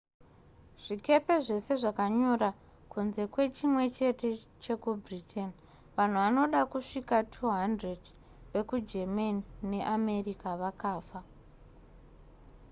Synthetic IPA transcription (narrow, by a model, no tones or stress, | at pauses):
ʐ̥ike̞pe̞ʐe̞se̞ʐakaɲoɾa | kunze̞kwe̞t͡ʃimwe̞t͡ʃe̞te̞t͡ʃe̞kubʱritʰen | ʋan̤uʋano̞ɗakuʂikatʰuɦandred | ʋe̞kud͡ʒemanine̞ʔame̞rikaʋakaːfa